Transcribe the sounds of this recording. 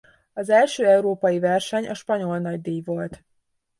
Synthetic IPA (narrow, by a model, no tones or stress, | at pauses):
ɒzɛlʃøːɛuɾoːpɒjivɛrʃɛɲʔɒ̰ʃpɒɲo̞lnɒɟ̚d̪iːjvo̞lt̪